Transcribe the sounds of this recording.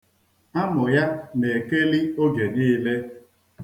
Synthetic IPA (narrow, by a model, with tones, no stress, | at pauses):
a˦mʊ˨ja˦ne˨ke˦li˦o˦ɡe˨niː˦le˦